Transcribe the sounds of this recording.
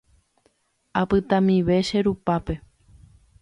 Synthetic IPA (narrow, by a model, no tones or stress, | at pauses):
apɨt̪ãmĩʋe̞ʃeɾupape̞